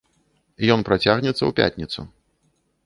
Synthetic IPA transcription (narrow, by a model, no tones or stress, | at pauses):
jɔnpɾat͡sʲaɣnʲɛt̪sːɐ̰wpʲa̰tʲnʲit̪sṵ